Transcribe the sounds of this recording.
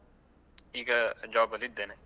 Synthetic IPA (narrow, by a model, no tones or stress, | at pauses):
iːkad͡ʒɔːbəlit̪̚d̪eːneː